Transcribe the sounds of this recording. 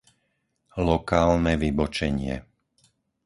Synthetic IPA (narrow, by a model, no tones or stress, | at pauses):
lɔkaːlnɛʋibɔt͡ʃɛɲɪɛ̰